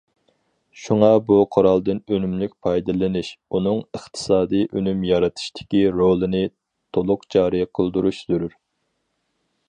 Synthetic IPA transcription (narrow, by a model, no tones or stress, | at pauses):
ʃuŋɑbuqʰʊɾɑlˠd̪ɨnønymlyk̚ʲpʰɑjd̪ɨlˠɨnɨʃunɨŋɨχt̪ʰɨ̥sɑːd̪ɨjʔønymjɑɾɨt̪ʰɨ̥ʃt̪ʰɪ̥kʲiɾolˠɨnɨ | t̪ʰolˠʊqt͡ʃʰɑːɾɨjqʰəlˠd̪uɾuʃzyɾyɾ